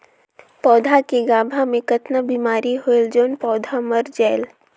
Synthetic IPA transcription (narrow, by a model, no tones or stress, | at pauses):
pɔːd̪ʱakiɡaːbʱamẽkɐt̪nəbiːmaːɾiɦoeld͡ʒoːnpɔːd̪ʱaməɾd͡ʒɛːl